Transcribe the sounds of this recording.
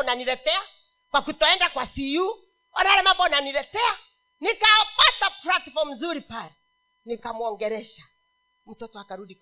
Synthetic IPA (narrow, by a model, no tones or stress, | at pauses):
naniɾɛtɛa | kwakutɔɛndakwasiju | wanaɾɛmambɔnaniɾɛtɛa | nikawapataplatfɔm̩zuɾipalɛ | nikamuɔŋɡɛɾɛʃa | m̩tɔtɔakaɾuɗik